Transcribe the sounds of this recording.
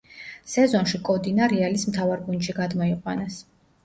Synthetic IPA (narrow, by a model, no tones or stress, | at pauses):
sɛzɔnʃikʼɔd̪inaɾialismt̪ʰavaɾɡund̪ʃiɡad̪mɔiqʼwanas